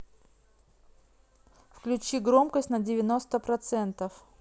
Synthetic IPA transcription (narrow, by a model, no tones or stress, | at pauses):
fklʲʉt͡ɕiɡɾo̞mkəsʲtʲnədʲɪvʲɪno̞st̪əpɾɐt̪sɛnt̪əf